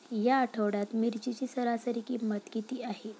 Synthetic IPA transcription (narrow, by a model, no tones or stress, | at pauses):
jaːʈʰəʋɽjat̪miɾt͡ɕit͡ɕiːsəɾasəɾikiːmət̪kit̪iːaɦe